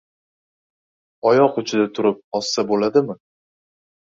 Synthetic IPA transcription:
ɒjɒqʊt͡ʃʰɪd̪at̪ʰʊɾɪp̚ɒsːabolad̪ɪmɪ

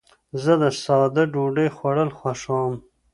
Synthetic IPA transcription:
zəd̪əsɑːd̪əɖuɖexwaɽəlxwaʂɑm

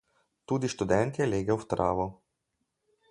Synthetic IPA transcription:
t̪uːd̪iʃt̪ud̪ɛnt̪jɛleːɡɛwft̪ɾa̰ːʋɔ

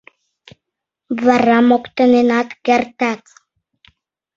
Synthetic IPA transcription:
varamokt̪anenat̪ɡart̪ak

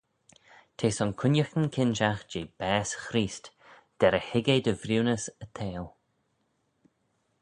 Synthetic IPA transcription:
t̪ʰeːsɔnkʰʊnjəxənkʰɪnʃaxd͡ʒeːb̥ɛːsxɾiːst̪ | d̪̥ɛɾəhɪɡed̪əvɾuːnəsət̪ʰeːlˠ

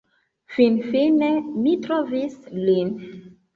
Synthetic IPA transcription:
finfinemitɾovislin

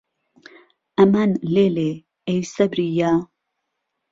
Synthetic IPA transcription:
ʔɐmanleːle | ejsɐbɾijaː

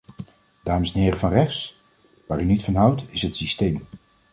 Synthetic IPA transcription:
d̥aːməsɛnɦɪːɾəvɑnrɛχs | ʋaːɾynitfɑnɦʌwtɪsɦətsistejm

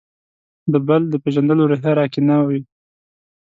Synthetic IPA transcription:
d̪əbəld̪əpeʒand̪əloɾeɦəɾɑkinɑwi

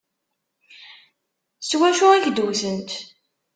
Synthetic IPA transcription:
swæʃʊæʝd̪uwθənt̪

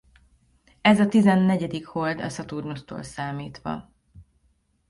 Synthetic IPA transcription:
ɛzɒt̪izɛnːɛɟɛd̪ikhold̪ɒ̰sɒt̪urnust̪o̰ːlsaːmiːt̪ʋɒ̰

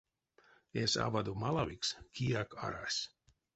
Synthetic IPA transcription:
esa̰vad̪umalˠavikskʲiaka̰ɾa̰sʲ

